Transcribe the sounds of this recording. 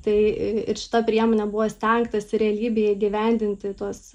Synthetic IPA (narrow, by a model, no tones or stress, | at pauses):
t̪ɐɪɪɾʃʲɪ̥t̪ɐpʲɾʲiɛmoːnʲɛbʊʋoːsʲt̪ʲɛŋkt̪ɐsɪɾʲɛɐlʲiːbʲeːjɛiɡʲɪʋʲɛˑnʲd̪ʲɪnʲt̪ʲɪt̪uɔs